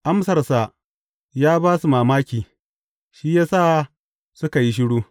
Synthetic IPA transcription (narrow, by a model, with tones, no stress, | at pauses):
ʔa˦msɐ˨rsa˨ | jaː˦baː˦su˨maː˨maː˦kʲiː˨ | ʃiː˦jaː˦saː˦˨ | sʊ˦ka˨ji˦ʃ̬ɪ˦ɽuː˦